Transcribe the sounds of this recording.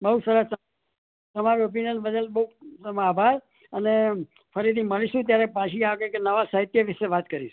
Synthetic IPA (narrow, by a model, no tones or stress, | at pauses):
bəɦusəɾəst̪ə | t̪əmaɾiop̬injənbəd̪əlbəɦusəmabʱaɾ | əne | fəɾit̪ʰiməɭiʃũt̪̬jaɾepaʃiaɡekenəʋasaɦit̪jəʋɪʃeʋat̪kəɾiʃũ̥